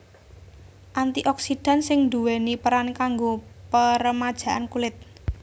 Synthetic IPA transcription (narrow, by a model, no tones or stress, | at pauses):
ʔant̪iʔɔksiɖ̥a̤nsɪŋnd̪uwenipəɾankaŋɡopəɾəmad̥ʒ̥ä̤ʔankulɪt̪̚